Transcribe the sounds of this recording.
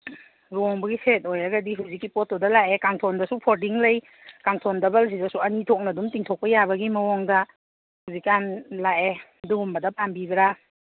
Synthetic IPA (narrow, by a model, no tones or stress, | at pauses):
ɾɔŋbɐɡiset̚ojaɡɐdiɦuwzikːipɔtːɔdɐlaʔekaŋtʰɔndɐsupʰoɾdiŋlɐj | kaŋtʰɔndɐbals̬izasuɐnitʰɔk̚nɐdumtiŋtʰɔk̚pɐjabɐɡimɐwɔŋdɐ | huwzikːanlaʔeduɡumbɐdɐpambibɐɾa